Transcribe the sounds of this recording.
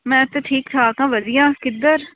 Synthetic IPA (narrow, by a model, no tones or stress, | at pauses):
mɛ̃ːt̪eʈʰiːkt̪ʰaːkãːʋəd͡ʒɪjãːkɪd̪əɾ